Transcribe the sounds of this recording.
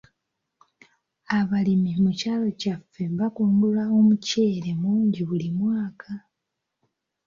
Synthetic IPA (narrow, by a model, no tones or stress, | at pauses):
aβalimimucaːlo̞cafːe̞βakoːŋɡulao̞muceːɾe̞muːɲɟiβulimwaːkʰa